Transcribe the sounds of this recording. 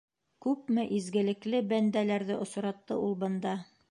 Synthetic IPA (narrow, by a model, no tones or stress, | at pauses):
kʉpmɘʔizɡɘ̆lɘ̆klɘbænd̪ælæɾðɘʔŏs̆ɾɑt̪ːɤʔulˠbɤ̆nd̪ɑ